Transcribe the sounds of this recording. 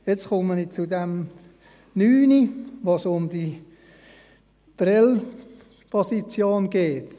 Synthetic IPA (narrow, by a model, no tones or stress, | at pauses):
jɛt͡skʊmənit͡sudɛm | nyːniʋoːsʊmd̥i | b̥rɪl | b̥ɔsit͡sjoːnɡ̥eːt